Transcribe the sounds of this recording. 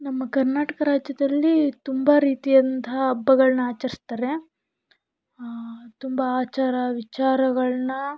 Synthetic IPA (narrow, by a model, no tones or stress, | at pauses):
nɐmːɐkɐɾnaːʈɐkɐɾaːd͡ʒjɐd̪ɐlːit̪umbɐɾiːt̪ijɐnt̪ɐɦɐːbːɐɡɐɭɐnɐaːt͡ʃɐɾist̪aːɾe̞ | t̪umbɐaːt͡ʃaːɾɐʋit͡ʃaːɾɐɡɐɭɐnɐ